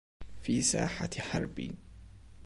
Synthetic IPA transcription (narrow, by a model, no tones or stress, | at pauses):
fiːsa̰ːħaħɑ̰ɾˤbḭ